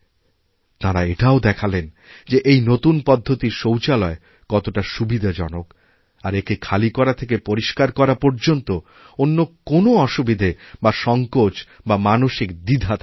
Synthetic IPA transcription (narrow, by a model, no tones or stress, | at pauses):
t̪aɾaeʈaod̪ɛkʰalen | d͡ʑeʔejnot̪unpɔd̪ʱːot̪iɾʃowt͡ɕalɔe | kɔt̪oʈaʃubid̪ʱad͡ʑɔnok | aɾekekʰalikɔɾat̪ʰek̬epoɾiʃkaɾkɔɾapɔɾd͡ʑont̪o | onːokonoɔʃubid̪ʱebaʃɔŋkot͡ɕbamanoʃikd̪id̪ʱat̪